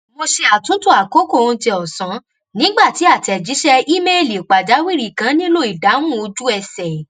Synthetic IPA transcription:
mo˧ʃe˧a˨tũ˨˦tu˦˨a˨ko˨˦ko˦˨õ˧˦ti˧ɔ˨sã˨˦ | nĩ˨˦ɡ͡ba˦˨ti˨˦a˦˨tɛ˨d͡ʒi˨˦ʃɛ˧i˦me˦˨li˨k͡pa˨d͡ʒa˨˦wi˦˨ɾi˦˨kã˨˦nĩ˦lo˦i˨da˨˦m̃ũ˦˨o˧d͡ʒu˦ɛ˧sɛ˨

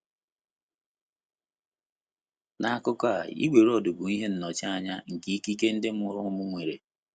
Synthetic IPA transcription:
na˨a˨kʊ˦ka˦˨ḭ˦ɡʷe˨ɾɔ˨dʊ˨bʊ˨i˦ɦe˦n̩˨nɔ˨t͡ʃa˦a˦ɲa˦ŋ̩˨ki˦i˦ki˦ke˦n̩˦dɪ˦m̩˦ʊ˨ɾʊ˦mʊ˦ŋʷe˨ɾe˨

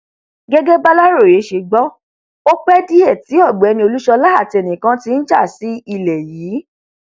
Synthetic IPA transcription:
ɡe˦ɡe˦ba˦la˦ɾo˦˨ɾe˨˦ʃe˧ɡ͡bɔ˦ | o˦k͡pɛ˦di˦ɛ˦˨ti˨˦ɔ˦˨ɡ͡bɛ˨˧nĩ˧o˧lu˦ʃɔ˧la˦a˦˨ti˧ɛ˧˨nĩ˨kã˨˦ti˧˦n̩˦d͡ʒa˦˨si˨˦i˧˨lɛ˨jiː˨˦

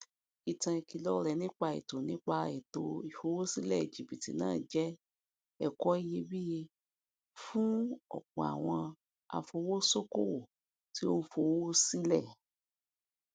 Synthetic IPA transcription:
i˨tã˧i˧ki˧lɔ˦ɾɛ˧nĩ˦k͡pa˧ḭ˨to˨nĩ˦k͡pa˧i˨to˨i˨fo˧wo˦si˦lɛ˦˨e˨d͡ʒi˨bi˨tḭ˨nã̰ː˦˨d͡ʒɛ˦ | ɛ˦˨kɔ˦i˦je˧bi˦je˧ | fũ˦ɔ̰˨k͡pɔ̰̃˨a̰˨w̃ɔ̃˧ | a̰˧fo˧wo˦so˦ko˦o˦˨ | ti˨˦o˦˧fo˧wo˦si˦lɛ˦˨

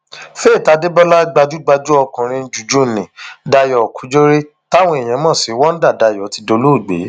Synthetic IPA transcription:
fe˦˨ta˨˦de˦bɔ˦la˦ɡ͡ba˧d͡ʒu˦ɡ͡ba˧d͡ʒu˦ɔ˧kɔ̃˨ɾ̃ĩ˧˦d͡ʒu˨d͡ʒu˦˨nĩ˨da˧jɔ˨kʰu˨˦d͡ʒo˦ɾe˦ | ta˦w̃ɔ̃˧e˨j̃ɛ̃˨˧˦mɔ̃˦˨si˨˦wɔ˦n̩˦da˦˨da˧jɔ˨˦ti˧do˧lo˦˨ɡ͡bḛ˨˦

